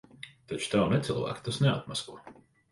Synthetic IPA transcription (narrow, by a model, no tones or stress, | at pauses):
t̪at͡ʃu̥t̪awnɛt̪sɨlˠvæ̰ːkt̪asnɛat̪̚maskuɔ